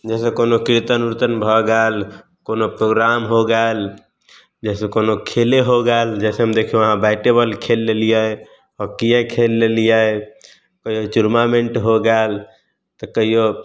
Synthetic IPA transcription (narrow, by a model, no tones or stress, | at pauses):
d͡ʒɛsekonokiɾt̪ənuɾt̪ənbʱəɡal | konopɾoɡɾamɦoɡal | d͡ʒɛsekonokʰeleɦoɡald͡ʒɛseɦəmd̪ekʰijõəɦãbaɪʈebəlkʰelːelijə | ɔkijekʰelːelija | kəɦijot͡ʃuɾmameɳʈɦoɡal | t̪ɔkəɦijo